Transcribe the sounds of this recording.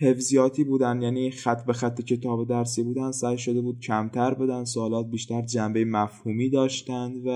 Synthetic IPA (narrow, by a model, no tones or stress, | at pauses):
he̞fzijɒːt̪ʰiːbuːd̪ænd̪jæːniːxæt̪ʰːbexæt̪ʰːecʰe̞t̪ʰɒːbed̪æɾsibuːd̪ænd̪̥sæjʃod̪e̞buːd̪̥̚cʰæmt̪ʰæɾbud̪ænd̪soːlɒːt̪̚biːʃt̪æɾd͡ʒæmbejemæfhuːmiːd̪ɒːʃt̪ænd̪væ